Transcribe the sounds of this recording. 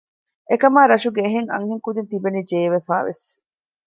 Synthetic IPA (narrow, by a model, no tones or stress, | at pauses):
ʔekɐmaːɾɐʃuɡeːɦeŋɐ̰ŋheŋkud̪ent̪ibenid͡ʒeːʋefaːʋḛs